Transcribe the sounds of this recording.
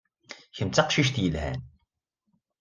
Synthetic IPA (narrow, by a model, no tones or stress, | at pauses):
çəmt͡s̪ːɑqʃiʃ̬t̪jəlhæ̰n